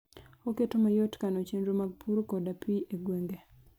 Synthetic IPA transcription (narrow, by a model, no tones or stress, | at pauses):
oketomajotkanot͡ʃendomaɡ̚pʰuɾkɔdapiʔeɡweŋɡe